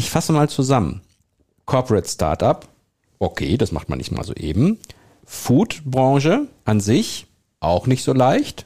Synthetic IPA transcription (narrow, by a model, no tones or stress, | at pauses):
ɪçfasəmaːlt͡suzamə̰n | kʰɔɐpəʁɛtsta̰ɐtap | ʔokʰḛːdasma̰χtma̰nɪ̰çsma̰ːlzo̰ːʔḛːbm̩ | fuːtb̥ʁɑ̃ŋʒəʔanzɪç | ʔaʊxnɪçtz̥oːlaɪçt